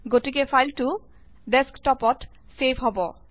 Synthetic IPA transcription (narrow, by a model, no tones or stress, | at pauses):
ɡotikepʰajltu | ɖɛskʈɔpɔt | sepʰɦɔbɔ